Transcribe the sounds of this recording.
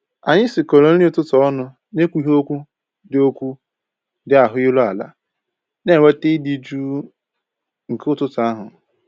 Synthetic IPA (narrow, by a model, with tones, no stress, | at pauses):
a˨ɲɪ˦sɪ˨ko˨ɾo˨n̩˦i˦tʊ˦tɔ˨ɔ˦nʊ˦ | ne˦kʷu˦ɦo˦kʷu˦ | dɪ˨o˦kʷu˦ | dɪ˨a˨ɦʊ˦ɪ˦lʊ˦a˨la̰˦ | ne˦˨we˦te˦dɪ˦d͡ʒu˦ | ŋ̩˨kʊ˦tʊ˦ta˨a˦ɦʊ˨